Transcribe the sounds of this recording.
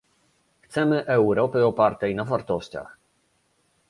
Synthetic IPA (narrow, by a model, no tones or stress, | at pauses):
xt̪sɛmɘʔɛwɾɔpɘɔpaɾt̪ɛjnavaɾt̪ɔɕt͡ɕa̰x